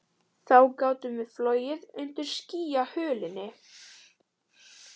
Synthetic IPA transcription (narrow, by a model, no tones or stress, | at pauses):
θawkaːwt̪ʏmvɪðflɔːɥjɪðʏnt̪ɪɾ̥sciːjahʏːlɪnːɪ